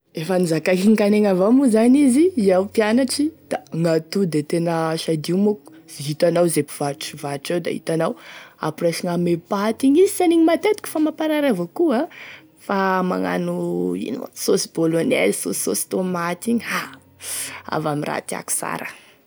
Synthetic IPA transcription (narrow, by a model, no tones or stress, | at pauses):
efanizakakiɲkaneŋavamuzaniziiawpjanaʈ͡ʂid̪̥aŋat̪ud̪et̪enəʃad̪imoku̥ | ziɦit̪anawzepiv̥aʈ͡ʂivaʈ͡ʂewd̪a̰ɦḭt̪anawa̰puraʃiŋamepat̪iɲizisaniɲimat̪et̪i̥kʲu̥famapaɾaɾavokua | fama̰ŋa̰nuḭn̰sosibolonɛ̰lso̰si̥sosi̥t̪omat̪iɲiha | a̰vamira̰t̪ia̰ku̥sa̰ɾə